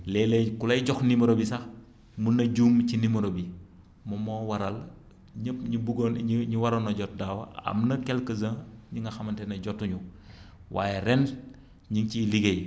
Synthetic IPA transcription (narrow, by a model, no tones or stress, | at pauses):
lɛːlɛkulɐjɟɔxnimɐɾobisɐx | munːɐɟuːmcinimɐɾobi | mɐmɔːwɐɾɐl | ɲəpɲibuɡonɲiwɐɾɐnɔɟɔt̚daːwɐɐ̰mnɐkɛlkɐzɐɲiŋɡɐxɐmɐntɛnɐɟɔtːuɲu | wa̰ːjɛɾɛn | ɲiŋciliɡej